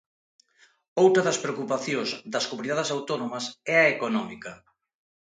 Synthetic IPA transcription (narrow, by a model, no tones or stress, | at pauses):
owt̪ɾɐðɐspɾeokupaθjozd̪ɐskomɾiðaðɐsawt̪ɔnomɐsɛɐekonɔmikɐ